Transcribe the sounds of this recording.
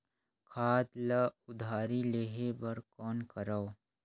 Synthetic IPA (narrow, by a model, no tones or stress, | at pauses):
kʰaːd̪laʊd̪ʱaːɾileːɦebɐɾkɔːnkəɾao